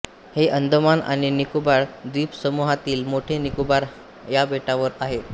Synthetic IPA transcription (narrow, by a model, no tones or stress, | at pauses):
heʔənd̪ʱəmana̰ɽ̃inikubaɽd̪iːpsəmuɦat̪iːlmoʈʰenikubaɾ | jabeʈaʋəɾaɦe